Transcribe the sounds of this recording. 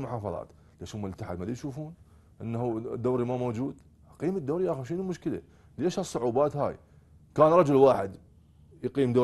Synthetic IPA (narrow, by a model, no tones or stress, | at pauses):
lmʊħɑːfɑðˤɑ̰ːt̪ | lʔaʃumʊlt̪ːaħa̰d̪malijʃuːfuːn | ʔənːhud̪ːoːɾimamoːd͡ʒuːd̪ | ʔɑqiːmad̪ːoːɾiʔaxuʃɪnumʊʃkəla̰ | leʃhasˤːʊʕuːbaːt̪ha̰ːj | kaːnɾˤɑd͡ʒʊlwaːħɪd̪ | jqiːmd̪o